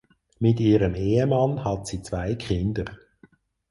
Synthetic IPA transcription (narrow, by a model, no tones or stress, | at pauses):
mɪtiːɾəmeːəmɑnhɑtsiːt͡svaɪkχɪnd̪əɾ